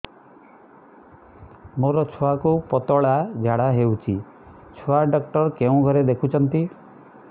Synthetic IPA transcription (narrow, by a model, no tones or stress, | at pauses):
moɾɔt͡ʃʰoakupɔt̪ɔɭad͡ʒʱaɽaɦeut͡ʃʰi | t͡ʃʰoaɖɔkʈɔɾkeũɡʱɔɾed̪ekʰut͡ʃʰɔnt̪i